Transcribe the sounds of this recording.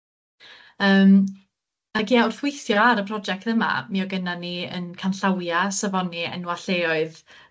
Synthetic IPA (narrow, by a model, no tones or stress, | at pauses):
əːm | aɡiːawr̥fwɪɨθjɔaɾəpʰrɔd͡ʒɛk̚təma̰miːɔɡənaniə̰nkʰanɬawjasəvɔniɛ̰nwaɬeɔɨð